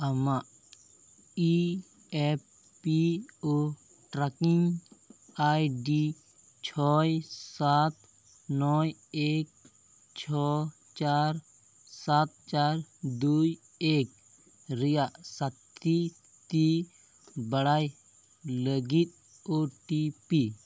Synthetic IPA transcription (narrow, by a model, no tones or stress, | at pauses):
ɐmaʔ | i | epː | io | ʈɾakiŋ | ajɖi | t͡ʃʰɔjsat̪ | nɔjek̚ | t͡ʃʰɔ | t͡ʃaɾ | sat̪̚t͡ʃaɾd̪uj | ek̚ | ɾijaʔsat̪i | t̪i | bəɽaj | ləɡit̪̚ | oʈipi